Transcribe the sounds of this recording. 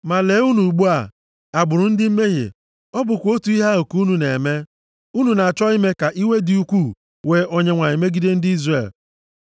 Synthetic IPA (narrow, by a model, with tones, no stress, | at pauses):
ma˨le˨˦u˦nu˨ɡ͡bu˦a˨ | a˨ɡ͡bʊ˨ɾʊ˨n̩˦dɪ˦m̩˦me˦ɦḛ˨ | ɔ˦bʊ˨kʷo˦tu˨i˦ɦa˦o˨ku˨˦u˦nu˨ne˨me˦ | u˦nu˨na˨a˨t͡ʃɔ˦i˦me˦ka˨ʔi˦we˦dɪ˨u˦kʷu˦˨ | we˨ʔo˦ɲe˦ŋʷa˨ɲi˨me˦ɡi˦de˦n̩˦dɪ˦i˦zre˨l